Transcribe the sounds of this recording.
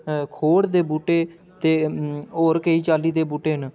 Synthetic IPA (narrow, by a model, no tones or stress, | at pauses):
kʰoːɽd̪eːbuːʈeː | t̪eːoːɾkeiːt͡ʃaːliːd̪eːbuːʈeːɦn